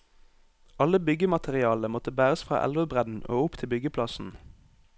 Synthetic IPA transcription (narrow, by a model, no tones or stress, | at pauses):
ɑləbʏɡəmɑt̪ʰɛʁɪɑːləmɔt̪əbæːʁəsfʁɑ̰ːʔæ̰lʋəbʁɛd̪n̩ʔo̰ːʊpt̪ʰɪbʏɡəpʰlɑsn̩